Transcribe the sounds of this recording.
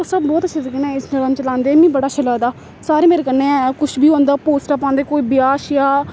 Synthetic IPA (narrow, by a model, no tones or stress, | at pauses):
səbbɔːt̪ət͡ʃʰasəkenɛ̃ːɪsnələmt͡ʃəlãːnd̪eːɛmĩːbəɽaːt͡ʃʰələːd̪aː | saːɾeːmeːɾeːkəneːakʊʃʰbʱiːɦõːnd̪aːpoːsʈəːpãːnd̪eːkoːiːbɪjaːʃjãː